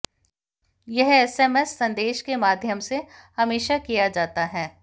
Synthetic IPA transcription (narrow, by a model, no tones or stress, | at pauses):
jɛɦɛːsɛmɛsːɐ̃nd̪eːʃkemaːd̪ʱjəmsehɐmeːʃakijad͡ʒaːt̪aɦɛː